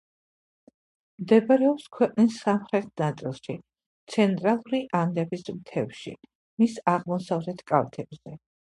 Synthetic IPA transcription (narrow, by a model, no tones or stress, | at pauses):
md̪ɛbaɾɛɔpskʰwɛqʼnisːamχɾɛt̪̚ʰnat̪sʼilˠʃi | t̪sʰɛnt̪ʼɾalˠuɾiʔand̪ɛbismt̪ʰɛvʃḭ | misaʁmɔsavɾɛt̪ʰkʼavt̪ʰɛbz̥ɛ